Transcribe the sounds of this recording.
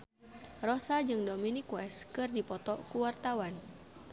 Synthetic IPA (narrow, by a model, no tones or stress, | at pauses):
rɔsad͡ʒɨŋdominikwɛskɨrdipɔt̪ɔkuwart̪awan